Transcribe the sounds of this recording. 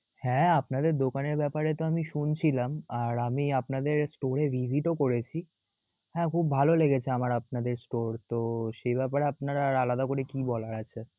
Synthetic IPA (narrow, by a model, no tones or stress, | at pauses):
hɛ̃apnad̪eɾd̪okaneɾbɛpaɾet̪oamiʃunt͡ɕʰilamaɾamiapnad̪eɾsʈoɾevʱiziʈokoɾet͡ɕʰi | hɛ̃kʰubːʱaloleɡet͡ɕʰeamaɾap̚nad̪eɾsʈoɾt̪oʃejbɛpaɾeapnaɾaalad̪akoɾekibɔlaɾat͡ɕʰe